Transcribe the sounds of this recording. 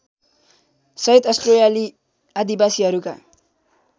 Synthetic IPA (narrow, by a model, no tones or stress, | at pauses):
sʌit̪ʌsʈrojali | ad̪ibasiɦʌɾuka̰